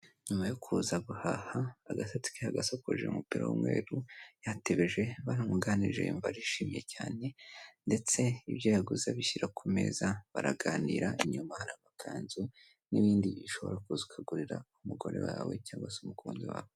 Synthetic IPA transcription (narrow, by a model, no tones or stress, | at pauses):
ɲumajokʰuzaɡuhahaːɡatatu̥keaɡasokoʒḛumupiɾa̰wṵmwe̞̰ːɾujateβeʒe̞βaɾamuɡaniʒe̞̰ɱvaɾiʃiːmije̞caːne̞nde̞t͡se̞iβjojaɡuzaβiçiɾakʰume̞̰zaβaɾaɡaːniɾaiɲumahanaβakʰaːɲzu | niβiːndiiʃo̞βo̞̰ɾakuzukʰaɡuɾiɾa̰umuɡo̞̰ɾe̞̰waːwe̞̰caːŋɡwasumukʰuːnziwa̰ːwe